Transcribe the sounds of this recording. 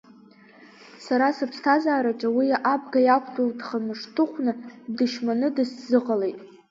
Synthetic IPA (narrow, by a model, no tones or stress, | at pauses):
saɾasɨpʰstʰazaːɾaʈ͡ʂʼawiaʔabɡajakʷʰtʼoldχamɨʂtʰɨχʷʰnɨdɨʃmanɨdɨszɨqʼale̞jtʼ